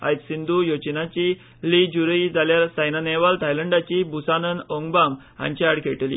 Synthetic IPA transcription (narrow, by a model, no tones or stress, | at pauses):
a̰jt͡s̪sind̪ʱujot͡ɕnat͡ɕi | lid͡ʑuɾəid͡zaljaɾsajnaneʋalt̪ʰajləɳɖat͡ɕibusanənoŋɡbam | ã̰ɲt͡ɕiaɽkʰeʈlḭ